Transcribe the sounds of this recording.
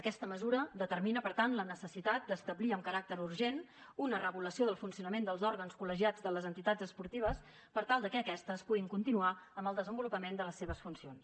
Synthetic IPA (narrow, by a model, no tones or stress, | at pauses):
əkɛst̪əməzuɾəd̪ət̪əɾminəpəɾt̪anlənəsəsit̪at̪̚d̪əst̪əbliəmkəɾak̚t̪əɾuɾʒenunərəβuləsioðəlˠfunsiunəmend̪əlˠzɔɾɣənskuləʒiad͡zðələzənt̪it̪ad͡zəspuɾt̪iβ̞əs | pəɾt̪alˠd̪əkɛːkɛst̪əspuɣiŋkunt̪inuaəmbəlˠd̪əzəmbulupəmend̪ələsːeβ̞əsfunsions